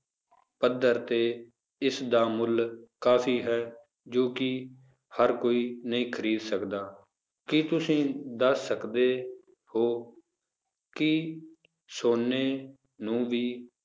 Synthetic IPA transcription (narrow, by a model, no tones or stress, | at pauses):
pəd̪əɾt̪eː | ɪsd̪aːmʊlkaːpʰiːɦɛː | d͡ʒoːkɪ | həɾkoːiːnəɦĩːkʰəɾiːd̪səkd̪aː | kɪt̪ʊsĩːd̪əsːəkd̪eː | hoː | kɪ | soːnːeː | nũːʋiː